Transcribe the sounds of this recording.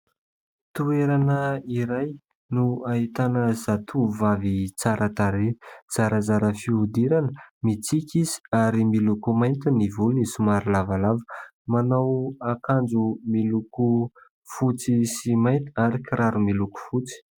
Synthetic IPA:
t̪ueɾanəiɾaj | nuaɦit̪anəzat̪ʰuvavit͡saɾat̪aɾet͡saɾəzaɾəfiud̪iɾanəmit͡sikʲizi̥aɾimilukumajnt̪inivulunisumaɾilavalavə̥ | manawakand͡zumiluku | fut͡sisimajnt̪iaɾikiɾaɾumiluku̥fut͡si̥

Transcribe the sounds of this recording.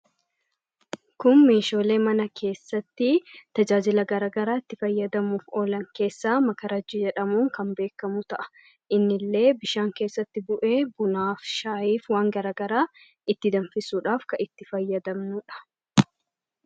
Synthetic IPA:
kʊnme̞ːʃo̞ːle̞ːmɐnɐkʰe̞ːsːɐt̪ːɪt̪ɐd͡ʒaːd͡ʒɪlɐɡɐɾaːɡɐɾaːɪt̪ːɪfɐjːɐd̪ɐmuːfoːlɐŋke̞ːsːaːmɐkɐɾɐd͡ʒːɪd͡ʒɛᶑɐmuːŋkɐmbe̞ːkːɐmʊt̪ɐʔɐ̥ | ʔɪnːɪlːe̞ːbɪʃaːŋke̞ːsːɐt̪ːɪbʊʔeːbʊnaːfʃaːjiːfwaːŋɡɐɾaːɡɐɾaː | ɪt̪ːɪd̪ɐnfɪsuːᶑaːfkɐʔɪt̪ːɪfɐjːɐd̪ɐmnʊᶑɐ̥

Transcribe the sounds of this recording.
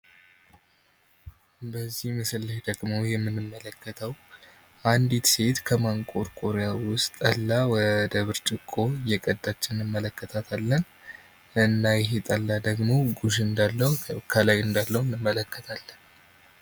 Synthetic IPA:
bəzːihmɨsɨlːɨʃd̪əɡmojɛmːɨnːɨmːələkːət̪ʰəw | ʔand̪it̪se̞t̪kʰəmaŋkʼoɾkʼoɾejawʊst̪ʼəlːawɔd̪əβɨɾt͡ʃʼɪkʼːo̞jɛkʼəd̪ːat͡ʃːɪnɨmːələkːət̪ʰat̪ʰalːən | ɨnːajɛɦet̪ʼəlːad̪əɡmoɡuʃɨnd̪alːəwkʰəlajɨnd̪alːəwnːɨmːələkːə̥t̪ʰalːən

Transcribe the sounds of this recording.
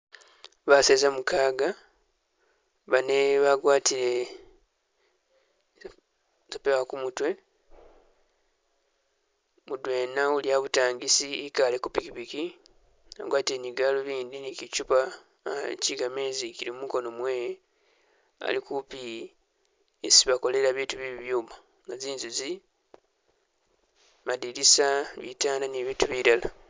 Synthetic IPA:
βaseːzamukaːɡa | βaneβaɡwaːtile̞ | z̥apewakumutwe̞ | mudwe̞ːnauljaβutaːŋɡisiikale̞kupikipiki | a̰ɡwaːte̞ɲiɡaloβiːndinicit͡ʃupa | ciɡameːzicilimumuko̞no̞mwe̞ːje | a̰likupi | esiβako̞le̞ɾaβiːtuβiβiβjuːma | ŋɡaziːnzuzi | madiɾisaβḭtaːndaniβiːtuβiɾala

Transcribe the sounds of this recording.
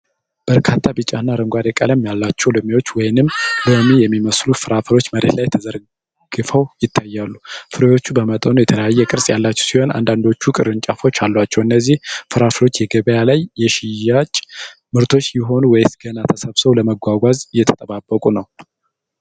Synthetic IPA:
b̥əɾkʰat̪ʰːabɨt͡ʃʼanːaɾəŋɡʷad̪ɛkʼə̰ləmjalːat͡ʃːɛwlɨmiwo̞t͡ʃːwɔjnɨmləmijɛmːiməslufɨɾafəlo̞t͡ʃːməɾḛt̪lajt̪ʰəzəɾ | ɡ̥ɨfəwjɪt̪ʰːajːalːufɨɾojo̞t͡ʃːubəmət̪ʼənujɛt̪ʰələjajːɛkʼɨɾsʼjalːat͡ʃːɛwsiho̞na̰nd̪and̪o̞t͡ʃːukʼɨɾɨnt͡ʃʼafo̞t͡ʃːalːat͡ʃːɛwɨnːəzːihfɨɾafəlo̞t͡ʃːjɛɡəβəjalajːɛʃɪjat͡ʃʼ | mɨɾt̪ʰo̞t͡ʃːjɪɦo̞nuwɔjsɡənat̪ʰəsəβsəwləməɡʷaɡʷazjɛt̪ʰə̥t̪ʼəβabːəkʼunəw

